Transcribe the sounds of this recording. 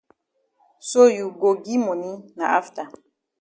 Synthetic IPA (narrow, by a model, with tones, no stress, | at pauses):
so˦ju˨ɡo˨ɡi˦mo˨ni˦na˨ʔa˦fta˨